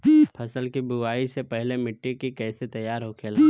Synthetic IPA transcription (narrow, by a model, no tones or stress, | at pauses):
pʰɐsəlkibuaːisepɛɦlemɪʈːikikɛːset̪ɐjːaːɾɦokʰeːl